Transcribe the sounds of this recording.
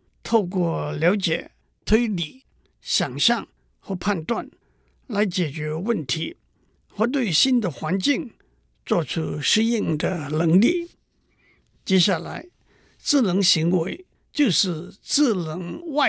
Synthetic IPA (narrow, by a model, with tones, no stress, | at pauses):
t̪ʰo˥˩˨k̬wɔ˥˩ljɑ˧˥ʊt͡ɕɛ̰˨ | t̪ʰe˥li˨˩˨ | ɕa˨˩ŋɕa˥˨ŋ | hɔ˥˨pʰa˥˨nt̪wa˥˨n | la˨˥ɪt͡ɕɛ˨˩t͡ɕø˧˥wə˥˨nt̪ʰi˨˥˦ | hɔ˥t̪̬we˥˨ɕi˥nd̪ə˨xwa˧˥nt͡ɕi˥˨ŋ | t͡sɔ˥˨t͡sʰu˥ʂɻ̩˥ji˥˨ŋd̪ə˨lə˧˩˦ŋlḭ˥˨ | t͡ɕɛ˧˥ɕ̬a˥˩˨la̰˧˥ɪ | t͡sɹ̩˥˨lə˧˥ŋɕi˧˥ŋwe˨˩ɪ | t͡ɕo˥˧ʊʂ̩˥˨t͡sɹ̩˥˨lə˧˥ŋwa˥˨